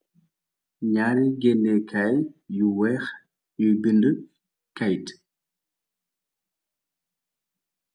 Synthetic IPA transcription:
ɲaːɾiɡɛlːɛkʰajjuwɛːx | jubində | kajt

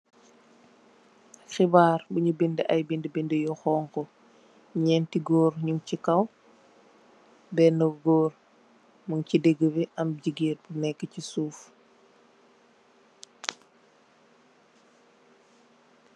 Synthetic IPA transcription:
xibaːɾbuɲubindiʔɐjbindibindəjɔxɔːŋkɔ | ɲɛːntiɡɔːɾɲuŋcikɐw | bɛnɐɡɔːr | muŋcidɛɡːəbiʔɐmɟiɡiːt̚bunɛkːəcisuːf

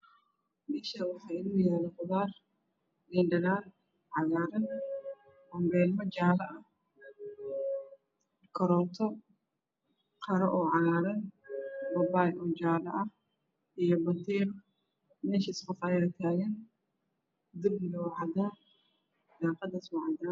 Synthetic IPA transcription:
bɪʃɐwɑħɑːɪluːjaːlɛqʊðaːr | ɡɪnɖɐnaːr | ʕɑɣaːɾɐn | bɔmbɛːlmɔd͡ʒaːlɐʔɐh | kʰɐɾɔːt̪ʰɔ | qʰɐɾɐʔɔːʕɑɣaːɾɐnbɐbaːjʔɔːd͡ʒaːlɐʔɐh | ʔijɔbɐnt̪ʰɛːɾ | mɛːʃɐɪskʊfɑjɾɐt̪ʰaːɣɐn | d̪ɪbnɡɔwʕɑd̪aː | d̪aːqɑd̪ɐswɑʕd̪a

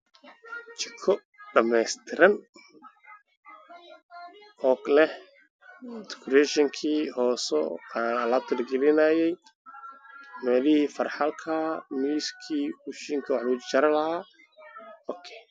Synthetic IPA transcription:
t͡ʃɪ̥kʰɔ | ɖɐmɛjst̪ʰɪɾɐn | ɔɡlɛh | t̪ɪ̥kʰɾɛʃɛŋkʰiːɦɔːsɔaɐlaːb̚t̪ʰɐlɡɛlɪnajɛj | mɛːlɪhiːfɐrħɑlkʰɐmiːskʰiːwuʃiŋkʰɐwɑħlʊt͡ʃt͡ʃɐɾɐlɐhaː | ɔkʰɛ

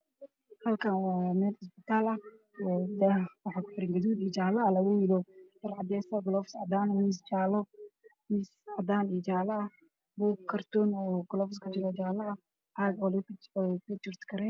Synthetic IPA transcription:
hɐlkʰɐnwaːmɛːd̪ɪsbɪt̪ʰaːlɐ | wɛd̪ɐwɑħɑːkʰʊ̥ħɪɾɛŋɡɐðuːd̪iːt͡ʃaːlɐːlɐɣujɪlɔd̪̥ɐrʕɑd̪ɛsɐɡʊlɔfsɑ̰d̪aːnnɪst͡ʃaːlɔnɪsad̪aːnit͡ʃaːlɐɐ | buːkkʰːɐrt̪ʰɔnɔːɡʊlɔːfskʰɐt͡ʃɪɾɔt͡ʃaːlɐɐ | ʔaɡɔlkʰɐt͡ʃɪrt̪kʰɐɾɛj

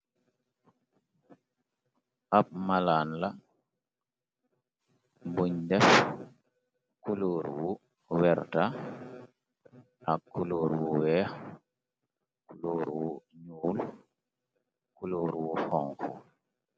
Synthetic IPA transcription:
ʔap̚malanla | mbuɲdɛf | kuluːɾwu | wɛɾta | ʔakːuluːɾwuwɛx | kuluːɾwuɲuːl | kuluːɾwuhɔŋkṵ

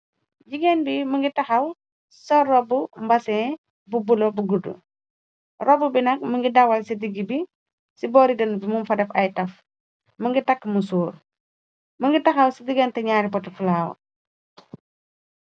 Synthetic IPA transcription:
ɟiɡɛnbiməŋɡitɐxɐw | sɔrːɔbumbɐsɛː | bubulobuɡudṵ | rɔbubinɐk̚məŋɡidɐwɐlsidiɡibi | sibɔːɾidɐnbimumfɐdɐfɐjtɐf | məŋɡitɐkːmusuːɾ | məŋɡitɐxɐwsidiɡɛntɛɲaːɾipɔtɐfulaːw̰

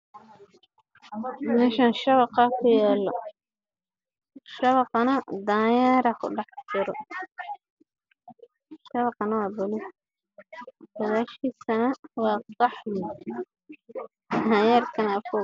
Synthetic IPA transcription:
mɛʃaːnʃɐβɑqɑkʰʊjɛːlɔ | ʃɐβɑqɑnɐd̪aːjaːɾɐkʰʊ̰ɖɑħt͡ʃʰɪɾɔ | ʃɐβɑqɑnɐwɑːbɔlɪ | wɐðaːʃkiːsɐnɐwɑːsɑħwi | d̪aːjaːrkʰɐnafɔ

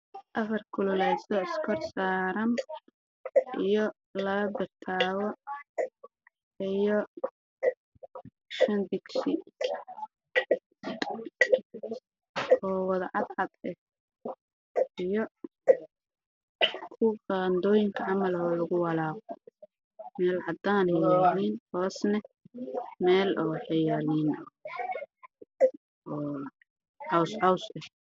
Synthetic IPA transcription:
ʔɐfɐrkʰʊlʊlɛːsɔɪskʰɔrsaːɾɐn | ʔijɔ | lɐɐbɪrt̪ʰaːwɔ | ijɔ | ʃɐnb̪ɪɡsɪ | ɔːwɑðʕɑd̪ʕɑd̪ɛh | ijɔ | kʰʊand̪ɔːjɪŋkʰɐʕɑmɐlɔːlɐɣʊwɑlaːqɔ | mɛːlʕɑd̪aːnhɪjaliːnhɔːsnɛ | mɛːlɔːħɪjalin | ɔː | ħɑwsʕɑwsɛ

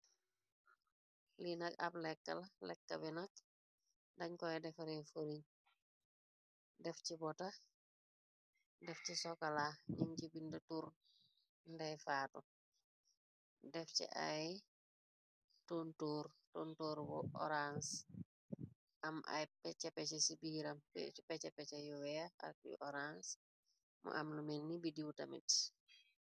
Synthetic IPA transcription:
linɐkɐ̰plɛkːɐlɐlɛkːɐbinɐk̚ | dɐɲkɔɛdɛfɐɾɛfuɾiɲ | dɛfcibɔtɐ | dɛfcisɔkɐlaɲiŋcibindɐtuːɾ | ndɛjfaːtu | dɛfcḭʔa̰j | tontuːrtontoːɾbɔɔ̰ɾans | ʔɐmʔɐ̰jpɛcɛpːɛcɛsibiːɾɐmɛpɛt͡ʃɛpːɛcɐjuwɛaɐ̰k̚ʔɔɾans | mʔṵʔɐ̰mlumɛnːibidiwtɐmḭt

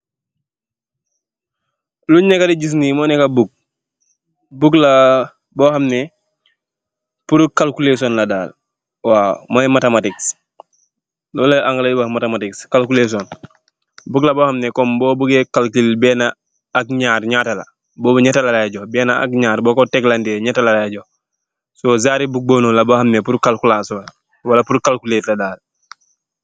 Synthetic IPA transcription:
luɲnekadiɟis̬niːmɔnɛkabuk̚ | bukla | bɔːhamnɛ | puɾukalkulesɔnladaːl | waːmajɛmatematiks | lɔlaʔaŋɡaladibamatematikskalkules̬ɔn | buklabohamnɛkɔmbɔːbuɡɛkalkilbɛːna | ak̚ɲaːɾɲatala̰ | bɔːbuɲatalalaaɟɔbɛːnaa̰k̚ɲaːɾbɔːkɔtɛklandɛɲatalalaaɟɔ | sɔːzaːɾibuk̚boːnolabohamnepuɾkalkulasɔːl | walapuɾkalkuleːtladaːl

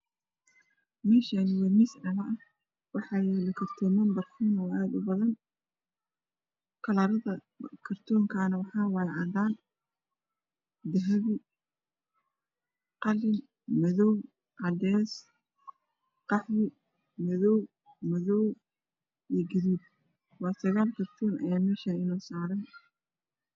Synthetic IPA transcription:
mɛːʃanɪwɛmisnɐlɐʔɐ | wɑħɑjɛlɐkʰɐrt̪ʰɔːmɐmbɐrkʰuːnɐaːd̪ʊbɐðɐn | kʰɐlɐɾɐðɐ | kʰɐrt̪ʰɔːŋkʰaːnɐwɑħɑːwɑjʕɑd̪aːn | d̪ɐɦɐβɪ | qɑlɪn | mɐðɔw | ʔɑd̪ɛːs | qɑħwɪ | mɛðɔw | mɐðɔw | ijɡɪðuːb̚ | wɑːsɐɣaːlkʰɐrt̪ʰɔːnɐ̰jaːmɛːʃaːɪnɔːsaːɾɐn

